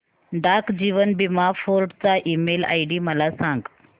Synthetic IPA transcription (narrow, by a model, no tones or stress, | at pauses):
ɖaɾkd͡ʑiʋənbimafoɾɖt͡saʔiːmela̰jɖiməlasãŋɡ